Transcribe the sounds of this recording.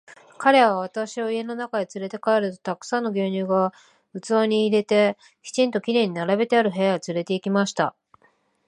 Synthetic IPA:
kaɾe̞βaβ̞at̪aɕio̞ie̞no̞nakad̪et͡sɨɾe̞t̪e̞kaeɾɯ̟t̪o̞̥t̪akɯ̥sãnːo̞ɡʲoːɲ̟ɨːɡa | ɯ̟t͡sɨaɲ̟iːɾe̞t̪e̞ | çʲi̥t͡ɕĩnt̪o̞kʲiɾe̞ɲ̟inaɾabe̞t̪e̞aɾɯ̟ɦe̞jaɡat͡sɨɾe̞t̪e̞ikʲimaɕi̥t̪a

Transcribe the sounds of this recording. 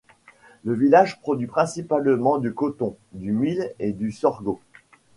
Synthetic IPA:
ləvilaʒpχɔd̪ɥipχɛ̃sipalmɑ̃d̪ykɔt̪ɔ̃ | d̪ymiled̪ysɔʁɡo

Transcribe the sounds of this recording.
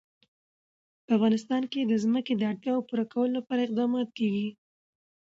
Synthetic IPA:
pəafɣɑnɪst̪ɑnked̪əzməked̪əaɽt̪jɑopuɾakawəlolapɑɾaɪq̚d̪ɑmɑt̪̚keɡi

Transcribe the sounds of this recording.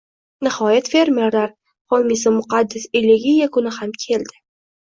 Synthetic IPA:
nɪhɒjat̪fe̞ɾme̞ɾlaɾ | χɒlˠmis̬ɪmʊqʰɑd̪ːɪselːɪɡʲijakʰʊnɪhamkʲʰe̞ld̪ɪ

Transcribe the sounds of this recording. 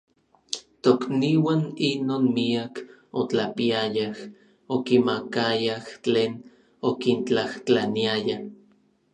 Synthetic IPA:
t̪okniwaːninoːnmiakot͡ɬapiajah | okimakajaht͡ɬeːn | okint͡ɬaht͡ɬaniaja

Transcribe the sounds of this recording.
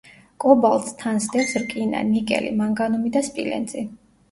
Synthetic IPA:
kʼɔbalˠst̪ʰansd̪ɛsɾkʼina̰nikʼɛ̰lḭmaŋɡanɔmid̪aspʼḭlɛ̰nzʼi

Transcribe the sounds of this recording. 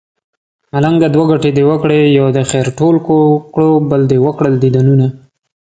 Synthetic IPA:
malaŋɡd̪əd̪waɡaʈed̪ewəkɽejad̪əxeɾʈolkokɽobəld̪ewəkɽəld̪id̪anuna

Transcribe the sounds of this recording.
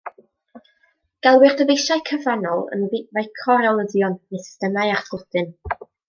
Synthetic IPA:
ɡ̥ɛlˠwɪrdəvejʃajkʰəvanɔlˠə̰nvɪvajkʰɔɾɛlˠəðjɔnnesstənajarsɡlɔd̥ɨn

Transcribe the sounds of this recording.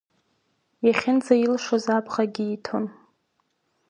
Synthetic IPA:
jaχʲɪnd͡zajilʂozapʰʼχaɡʲɪitʰon

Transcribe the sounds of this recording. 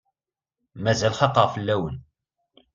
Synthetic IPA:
mæzælχɑqːəʁfəlːæwən

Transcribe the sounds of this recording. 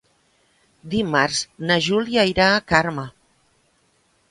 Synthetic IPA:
d̪imaɾznaʒuljaiɾaːkaɾma

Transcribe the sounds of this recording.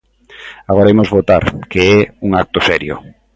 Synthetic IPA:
aɣɔɾaimozβot̪aɾkeɛuŋak̚t̪osɛɾjoʊ̰

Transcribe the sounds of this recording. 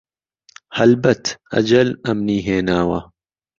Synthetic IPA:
hɐlbɐt̪ʰɐ̰d͡ʒɐlɐmniːɦeːnaːwɐ

